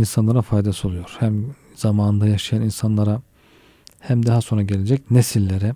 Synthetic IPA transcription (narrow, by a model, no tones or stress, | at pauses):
insanlˠaɾafajd̪asɯo̞lˠujo̞ɾ̥hæm | z̥amaːnɯnd̪ajaʃajaninsanlˠaɾa | hæmd̪aɦaso̞nɾaɟe̞lʲed͡ʒɛcnesilʲːeɾɛ